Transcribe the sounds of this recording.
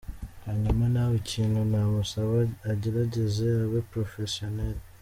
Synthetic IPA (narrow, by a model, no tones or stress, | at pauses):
aɲamanaβucʰiːnonaβosaβaɟiɾaɟezeaβepɾofesional